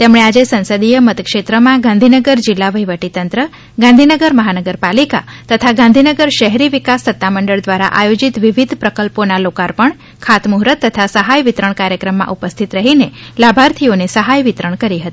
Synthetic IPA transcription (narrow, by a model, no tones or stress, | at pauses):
t̪emɳead͡ʒesə̃nsəd̪ijəmət̪kʃet̪ɾəmãɡãnd̪ʱinəɡəɾd͡ʒɪlːaʋəjʋəʈit̪ənt̪ɾə | ɡãnd̪ʱinəɡəɾməɦanəɡəɾpalika̰t̪ət̪ʰaɡãnd̪ʱinəɡəɾʃəɦɛɾiʋikasːət̪ːaməɳɖəɭd̪ʋaɾa̰ʔajod͡ʒit̪ʋiʋid̪ʱpɾəkəlponalokaɾpəɳ | kʰat̪muɦɾət̪ːət̪ʰasəɦajʋɪt̪ɾəɳkaɾjəkɾəmːã̰ʔupəst̪ʰit̪ɾəɦinelabʱaɾt̪ʰionesəɦajʋit̪ɾəɳkəɾiɦət̪i̥